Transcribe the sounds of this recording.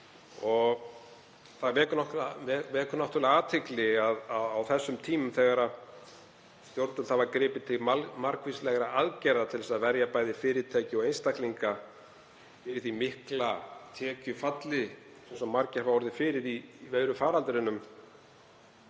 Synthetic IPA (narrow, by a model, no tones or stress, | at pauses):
ɔɣ | θaðvɛːkʏnɔht̪vɛvɛːkʏnɔht̪ʏɾlaaːt̪ʰɪklɪaðaðawθɛsːʏmt̪ʰiːmʏmθɛɣaɾað | st̪jowɾt̪ʏnhavaɾkɾɪːpɪt̪ʰɪmamaɾkvislɛɣɾaʔaðcɛɾðat̪ʰɪlɛsaðvɛɾjapaːjðɪfɪːɾɪt̪ʰaːcɪɔɣejnst̪ahkliŋka | fɪɾɪɾ̥θimɪhklat̪ʰɛːcʏfat̪lɪ | sɛmsɔmːaɾcɛvahɔɾðɪfɪːɾɪɾivejɾʏfaːɾalt̪ɾɪnːʏm